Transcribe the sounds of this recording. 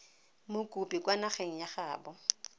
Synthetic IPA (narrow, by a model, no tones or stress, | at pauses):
mʊkʼupʼikʼwanaχeŋ̩jaχaːbɔ